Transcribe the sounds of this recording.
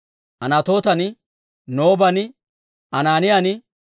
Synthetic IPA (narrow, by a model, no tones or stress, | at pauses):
ʔɐnɐt̪o̞ːt̪ɐnɪ | noːbɐn | ɐnaːnɪjanɪ